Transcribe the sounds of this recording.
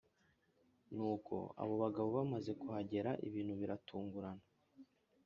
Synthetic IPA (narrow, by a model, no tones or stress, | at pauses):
nuːkʰo̞̰a̰βo̞βaɡaβoβamaze̞kuhaɟe̞ɾaʔḭβiːn̥huβiɾatʰuːŋɡuɾana